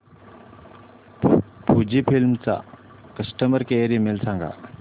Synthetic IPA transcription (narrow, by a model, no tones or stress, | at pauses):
pud͡ʑipʰilmt͡sa̰ | kəsʈəməɾkeeɾimelsãŋɡa̰